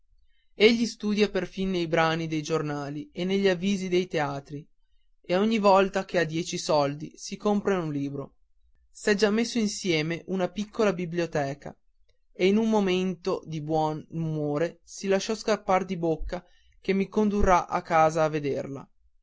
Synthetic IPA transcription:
eʎːist̪uːd̪japerfinːejbɾaːnid̪ejd͡ʒornaːlienːeʎːavːiːzid̪ejt̪eaːt̪ɾi | eoɲːivɔlt̪ak̟ead̪jɛːt͡ʃisɔld̪isikompɾeunliːbɾo | sɛd͡ʒamːesːoinsjɛːmeʔunapikʰːolabibliot̪ɛːka̰ | einumːoment̪od̪ibwɔnumoːɾesilaʃɔskapːard̪ibokːa | k̟emːikond̪urːaʔa̰kːaːzaːvːed̪erla̰

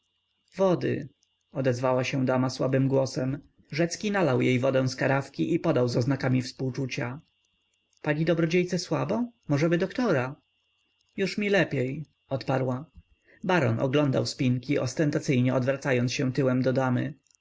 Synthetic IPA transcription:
vɔd̪ɘ̰ | ɔd̪ɛzvawaɕɛ̃d̪amaswabɘmɡwɔsɛm | ʐɛt̪skʲinalawjejvɔd̪ɛ̃w̃skaɾafkʲiʔipɔd̪awzɔznakamʲifspuwt͡ʂut͡ɕa | paɲid̪ɔbɾɔd͡ʑejt̪sɛswabɔmɔʐɛbɘd̪ɔkt̪ɔɾa | juʂmʲilɛpʲej | ɔt̪paɾwa | baɾɔnʔɔ̰ɡlɔnd̪awspʲiŋkʲiʔɔ̰st̪ɛnt̪at̪sɘjɲɛɔd̪vɾat̪sajɔnsɕɛ̃w̃t̪ɘwɛmd̪ɔd̪amɘ̰

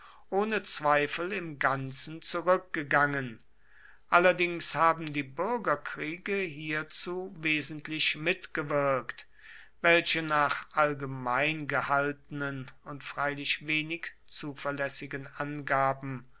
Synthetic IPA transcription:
ʔoːnət͡sv̥aɪfl̩ɪmɡant͡sn̩t͡suʁʏk̚ɡ̥əɡaŋən | ʔalɐdɪŋshaːbm̩diːbʏʁɐɡɐkʁ̥iːɡəɦiːɐt͡suːveːzn̩tʰlɪʃmɪtɡ̥əvɪɐkt | vɛlʃənaːχʔalɡəmaɪnɡəhaltənənʊntfʁ̥aɪlɪʃveːnɪk | t͡suːfɐɐlɛsɪɡənʔanɡaːbm̩

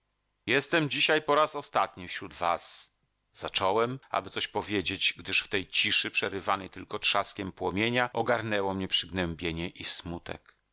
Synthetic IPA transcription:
jɛst̪ɛmd͡ʑiɕajpɔɾasɔst̪at̪ɲifɕɾud̪vas | z̥at͡ʂɔwɛma̰bɘt̪sɔɕpɔvʲjed͡ʑed͡ʑɡd̪ɘʂft̪ɛjt͡ɕiʂɘpʂɛɾɘvanɛjt̪ɘlkɔtʂaskʲɛmpwɔmʲjeɲaʔɔɡaɾnɛwɔmɲɛpʂɘɡnɛmbʲjeɲɛʔismut̪ɛ̰k

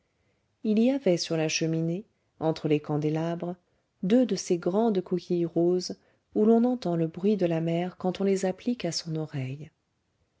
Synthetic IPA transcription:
iliavɛsyʁlaʃəmine | ɑ̃t̪χəlekɑ̃d̪elabʁə | d̪ød̪əseɡʁɑ̃d̪kɔkʲʰijʁoz | ulɔ̃nɑ̃t̪ɑ̃ləbʁɥid̪əlamɛʁkɑ̃t̪ɔ̃lezaplikasɔ̃nɔʁɛj

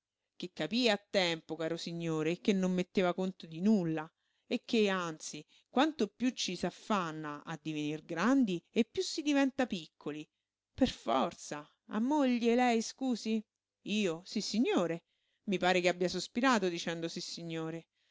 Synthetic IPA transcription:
k̟ekːapiːaːt̪ːɛmpokaːɾosiɲːoːɾek̟ːenːomːet̪ːeːvakont̪od̪inulːa | ek̟ːeant̪si | kwant̪opjut͡ʃːisafːanːaʔa̰d̪ːivenirɡɾand̪iepːjusːid̪ivɛnt̪apikʰːoli | perfɔrt̪sa | a̰mːoʎːelɛjskuːzi | iːosisːiɲːoːɾe | mipaːɾekeabjasospiɾaːt̪od̪it͡ʃɛnd̪osisːiɲːoːɾe

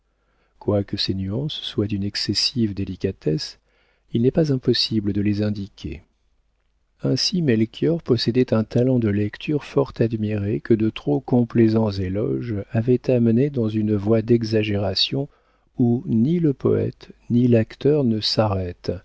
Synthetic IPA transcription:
kwakəsenyɑ̃sːwad̪ynɛksɛsivd̪elikat̪ɛs | ilnɛpazɛ̃pɔsibləd̪əlezɛ̃d̪ikʲʰḛ | ɛ̃simɛlkʲʰjɔʁpɔsed̪ɛt̪ɛ̃t̪alɑ̃d̪əlɛkt̪ʰyʁfɔʁt̪ad̪miʁekəd̪ət̪χokɔ̃plezɑ̃zelɔ̰ʒavɛt̪amned̪ɑ̃zynvwad̪ɛɡzaʒeʁasjɔ̃ | uniləpɔ̰ɛ̰t̪nilakt̪œʁnəsaʁɛt̪

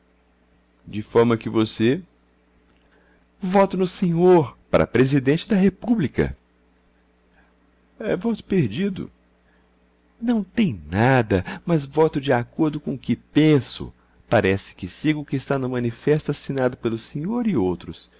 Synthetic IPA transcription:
d͡ʒɪfɔɾmɐkɪvose | vɔt̪ʊnʊsẽɲoɾpa̰ɾɐ̰pɾezid̪ẽnt͡ʃɪd̪ɐɦepublikɐ̰ | ɛvɔt̪ʊ̥peɾd͡ʒid̪ʊ̰ | nɐ̃w̃t̪ẽj̃nad̪ɐmɐzvɔt̪ʊd͡ʒɪakoɾd̪ʊkõkɪpẽsʊ̰ | paɾɛsɪ̥kɪsiɡʊkɪːst̪anɐmɐ̃nifɛst̪ʊasinad̪ʊpelʊsẽɲoɾɪowt̪ɾʊs

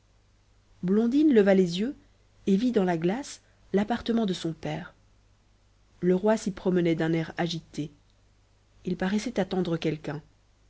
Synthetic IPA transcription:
blɔ̃d̪inləvalezjø | evid̪ɑ̃laɡlas | lapaʁt̪əmɑ̃d̪əsɔ̃pɛːʁ | ləʁwasipχɔmənɛd̪ɛ̃nɛʁaʒit̪e | ilpaʁɛsɛt̪at̪ɑ̃d̪ʁəkʲɛlkɛ̃

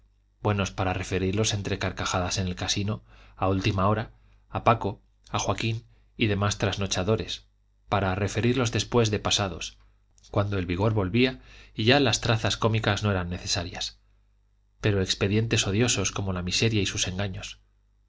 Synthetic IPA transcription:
b̥we̞no̞spaɾare̞fe̞ɾiɾlo̞se̞nt̪ɾe̞kaɾkaxaðase̞ne̞lkasino̞ault̪imao̞ɾaː | pako̞ | axwakin | iðe̞mast̪ɾazno̞t͡ʃaðo̞ɾe̞s | paɾare̞fe̞ɾiɾlo̞zðe̞spwe̞zðe̞pasaðo̞̰s | kwand̪o̞e̞lβiɣ̞o̞ɾβo̞lβiaiʝalast̪ɾaθasko̞mikazno̞e̞ɾanːe̞θe̞saɾjas | pe̞ɾoe̞kspe̞ðje̞nt̪e̞so̞ðjo̞so̞sko̞mo̞lamise̞ɾjaisuse̞ŋɡaɲo̞s

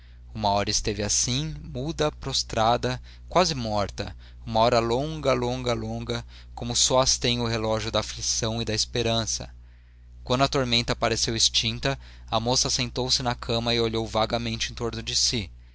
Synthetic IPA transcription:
umɐɔɾɐɪst̪evɪasĩmud̪ɐpɾost̪ɾad̪ɐ | kwazɪmɔɾt̪ɐ | ũmɐɔɾɐlõŋɡɐlõŋɡɐlõŋɡɐ | kõmʊsɔast̪ẽj̃ʊɦelɔʒjʊd̪ɐːflisɐ̃w̃ɪd̪ɐɪspeɾɐ̃sɐ̰ | kwɐ̃nd̪ʊɐt̪oɾmẽnt̪ɐpaɾesewɪst͡ʃĩnt̪ɐ | ɐmosɐsẽnt̪owsɪnɐkʰɐ̃mɐioʎowvaɡɐmẽnt͡ʃɪẽt̪oɾnʊd͡ʒɪsi

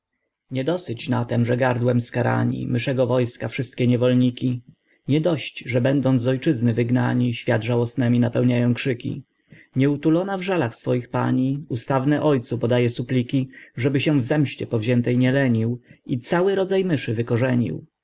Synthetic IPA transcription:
ɲɛd̪ɔsɘt͡ɕnat̪ɛmʐɛɡaɾd̪wɛmskaɾa̰ɲḭmɘʂɛɡɔvɔjskafʂɘst̪̚kʲɛɲɛvɔlɲikʲi | ɲɛd̪ɔɕt͡ɕʐɛbɛnd̪ɔnzɔjt͡ʂɘznɘvɘɡna̰ɲiɕfʲjad̪ʐawɔsnɛmʲinapɛwɲajɔ̃w̃kʂɘkʲḭ | ɲɛut̪ulɔnavʐalaxsfɔjixpa̰ɲiust̪avnɛʔɔjt̪supɔd̪ajɛsuplʲikʲiʐɛbɘɕɛvzɛmɕt͡ɕɛpɔvʑɛnt̪ɛjɲɛlɛɲiwit̪sawɘɾɔd̪zajmɘʂɘvɘkɔʐɛɲḭw

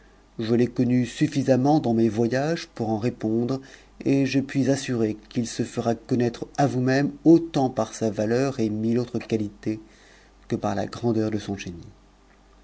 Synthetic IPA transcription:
ʒəlɛkɔnysyfizamɑ̃d̪ɑ̃mɛvwajaʒpuʁɑ̃ʁepɔ̃d̪ʁ | eʒəpɥizasyʁekilsəfəʁakɔnɛt̪χavumɛmot̪ɑ̃paʁsavalœʁemilot̪χəkalit̪e | kəpaʁla̰ɡʁɑ̃d̪œʁd̪əsɔ̃ʒeni

